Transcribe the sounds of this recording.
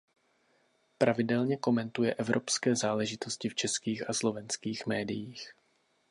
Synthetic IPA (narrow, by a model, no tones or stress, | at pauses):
pɾavɪdɛlɲɛko̞mɛnt̪ujɛʔɛvɾʔopskɛːzaːlɛʒɪt̪o̞scɪft͡ʃɛskiːxaslo̞vɛnskiːxmɛːdɪjiːx